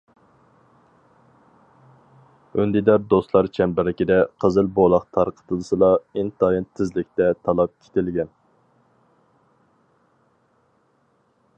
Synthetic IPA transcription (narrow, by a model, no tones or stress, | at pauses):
ønd̪ɪd̪ɑɾd̪oslˠɑɾt͡ʃʰɛmbɪɾɪkʲid̪ɛqʰəzɨlˠbolˠɑqt̪ʰɑɾqʰə̥t̪ʰɨlˠsɨlˠɑint̪ʰɑjint̪ʰːɪzlɪkʲt̪ɛt̪ʰɑlˠɑp̚kʲʰe̥t̪ɪlɡʲɛn